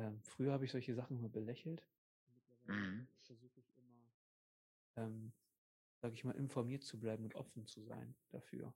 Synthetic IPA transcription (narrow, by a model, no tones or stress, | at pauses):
ʔɛːmfʁ̥yːɐhaːbəɪçz̥ɔlçəzaχn̩uːbəlɛçl̩t | nmɪtlɐvaɪləfɛɐzuːxəɪçʔɪmɐ | ʔɛːm | z̥aːɡəɪçmaːlʔɪnfɔɐmiːɐtt͡sublaɪbm̩ʊntʔɔ̰fn̩t͡suza̰ɪnd̥a̰fy̰ːɐ